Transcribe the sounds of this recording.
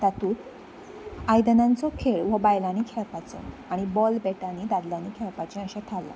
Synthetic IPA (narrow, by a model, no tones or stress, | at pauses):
t̪at̪uːt̪ | ajd̪ənant͡sɔkʰeɭʋəbajlanikʰɛɭpat͡sɔ̰ | aɽ̃ibɔlbɛʈanid̪ad̪lanikʰɛɭpat͡ɕɛə̃ɕat̪ʰalːa̰